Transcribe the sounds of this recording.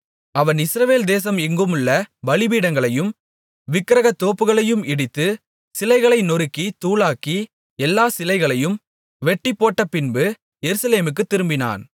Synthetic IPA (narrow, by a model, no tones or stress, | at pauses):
ɐʋɐnɪsɾɐʋeːld̪eːsɐmɪŋɡɯmɯɭːɐbɐlɪbiːɽɐŋɡɐɭɐjɯm | ʋɪkːɪɾɐɣɐt̪ːoːpːɯɣɐɭɐjɯmɪɽɪt̪ːɯ | sɪlɐɪɣɐɭɐɪnɔɾɯkːit̪uːɭaːki | ɛlːaːsɪlɐɪɣɐɭɐjɯm | ʋɛʈːɪpːoːʈːɐpɪnbɯ | jɛɾɯsɐleːmɯk̬ːɯt̪ːɪɾɯmbɪna̰ːn